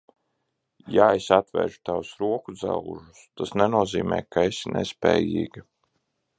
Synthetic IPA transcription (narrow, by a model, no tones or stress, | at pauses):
jaesat̪vɛ̰ːɾʒu̥t̪awusɾuɔkud̪za̰l̰ˠʒust̪asnɛnuɔziːmɛ̰ːjkaesinʔɛ̰spʲɛ̰ːjiːɡi